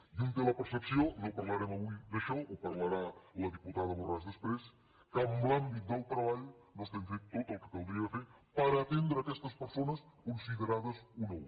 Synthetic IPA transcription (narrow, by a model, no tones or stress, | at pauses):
ʒunt̪ələpəɾsəpsionopɐɾləɾɛməβuid̪əʃɔopɐɾləɾaləðiput̪aðəmurazðəspɾes | kəmblambit̪̚d̪əlˠt̪ɾəβaʎu | nost̪eŋfet̪t̪ot̪əlˠkəkɐwd̪ɾiəfeɾ | pəɾəːt̪end̪ɾəːkɛst̪əspəɾsonəskunsiðəɾaðəsunow